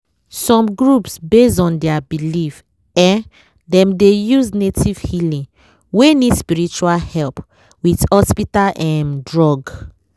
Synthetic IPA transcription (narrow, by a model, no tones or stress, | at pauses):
sɔ̃mɡɹupsbesɔ̃ndɛabilif | ɛ̃n | dɛ̃mdejuznetiv̥hilĩŋ | wenidspiɹit͡ʃualhɛlp | withɔspitalʔɛ̃ndɹɔɡ